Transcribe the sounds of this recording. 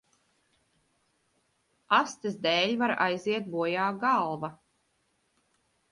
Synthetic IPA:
ast̪izd̪ɛːlʲvaɾajziɛt̪̚buɔjaːɡalˠva

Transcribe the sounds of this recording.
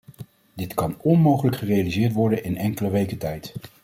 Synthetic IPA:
dɪtkɑnɔnmowχələkχərejalizɪːɹtʋɔɹdənɪnɛŋkələʋejkətɛjt

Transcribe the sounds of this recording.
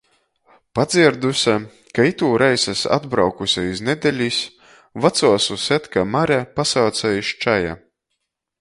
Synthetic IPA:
pad̪zʲiɛɾd̪usʲa | kait̪uːɾʔajsasa̰d̪bɾawkusʲaiznɛd̪ʲɛlʲis | vat̪suɔsuɛt̪kamaɾʲɛpasaːt̪sajiʃt͡ʃaja̰

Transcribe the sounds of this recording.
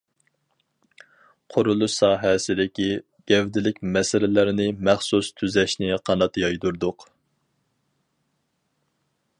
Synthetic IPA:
qʰoɾulˠʊʃsɑːɦɛsɪd̪ɪkʲi | ɡ̥ʲɛvd̪ɪlɪkʲmɛsɪlɪlɪɾɪnɪmæχsust̪ʰyzɛʃnɪqʰɑnɑt̪jɑjd̪uɾd̪ʊq

